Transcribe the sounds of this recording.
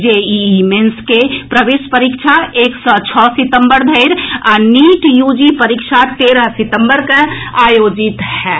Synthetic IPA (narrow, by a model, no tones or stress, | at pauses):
d͡ʒeimenskepɾəʋeːʃpəɾikʃʰaeːksɔt͡ʃʰɔːsɪt̪ə̃mbəɾd̪ʱəɪɾaniːʈjuːd͡ʒipəɾikʃʰat̪eːɾəɦsɪt̪ə̃mbəɾkeaːjoːd͡ʒɪt̪hɛː